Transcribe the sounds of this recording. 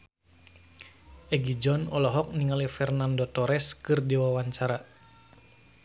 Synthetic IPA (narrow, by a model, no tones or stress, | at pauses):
ʔɛɡid͡ʒɔnɔlɔɦɔk̚niŋalifɛrnandot̪ɔɾɛskɨrdiwawaɲt͡ʃaɾa